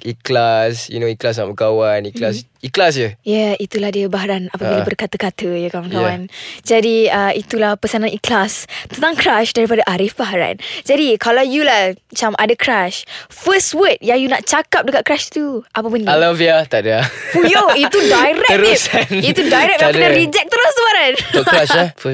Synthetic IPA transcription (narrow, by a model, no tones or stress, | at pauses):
iklasjṵnoiklas̬naməkawaniklasiklas̬jəjɛit̪ulahdiəbaɦaɾanapəbilabərkat̪əkat̪əjakamakawand͡ʒadiəit̪ulahpəsananiklast̪ənt̪aŋkɾaʃdaɾipadaʔaɾɪfbaɦaɾa̰nd͡ʒadikalawjulahmət͡ʃamʔa̰dakʰɾaʃfəstwət̪̚jajunaʔ̚t͡ʃakap̚dəkat̪̚kɾaʃt̪uʔap̬əpʊnalaviat̪aʔdəpujoit̪udajɾɛəɾusanit̪udajɾɛk̚aadaɾid͡ʒɛk̚t̪əɾust̪əbaɾanɾaʃa